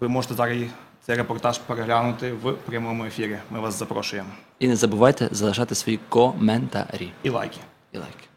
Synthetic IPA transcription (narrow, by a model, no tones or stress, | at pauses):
ʋɪmɔʒɛt̪ɛt̪akɪjt̪sɛjreɛpɔrt̪aʃpeɾeɦlʲanʊt̪ɪʋpɾʲɐmɔmʊefʲiɾʲimɪʋaszɐpɾɔʃʊjeminɛzɐbʊʋɑjt̪ɛ̰zɐlˠeʃɑt̪ɪsʋɔjikɔmɛnt̪a̰ɾʲiilˠa̰jkʲɪ̥ | ilˠa̰jkʲɪ̥